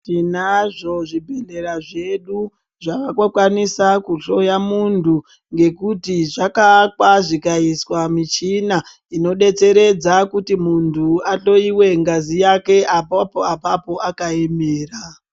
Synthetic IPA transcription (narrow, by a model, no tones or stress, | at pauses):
tinaʐo̞ʐibʱe̞ne̞ɾaʐe̞ɗu | ʐakakokwanisakuɬo̞jamuntu | ŋɡe̞kutiʐakakwaʐikaiswamit͡ʃina | ino̞ɗe̞t͡se̞ɾe̞d͡zakutimuntʰuato̞iwe̞ŋɡazijake̞ʔapapoapapo̞ʔakaemeːra